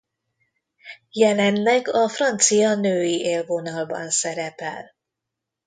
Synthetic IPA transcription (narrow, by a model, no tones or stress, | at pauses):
jɛlɛnlɛɡɒfrɒnt̪sijɒnøːjiʔeːlvonɒlbɒ̰nsɛɾɛpɛ̰l